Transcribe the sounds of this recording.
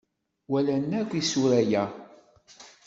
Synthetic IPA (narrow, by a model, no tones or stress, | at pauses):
wælænːækʷːisuɾæjæ